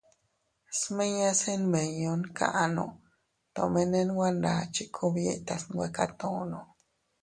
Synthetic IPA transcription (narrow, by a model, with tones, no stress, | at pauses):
sme˦ɲa˦se˦nme˨ɲo˧nkʰa̰˨ʔno̰˨ | t̪o˨me˦ne˦nwʷa˦nda˨t͡ʃi˦kʰo˦bje˧t̪a˧sŋɡʷwe˧ka˦t̪o˨no˨